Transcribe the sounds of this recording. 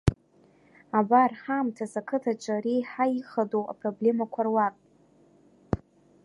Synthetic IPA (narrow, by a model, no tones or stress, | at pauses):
abarħamtʰasakʰɨtʰat͡ʃʷʼaɾijħaiχadoʔa̰pʼroble̞makʷʰarwakʼ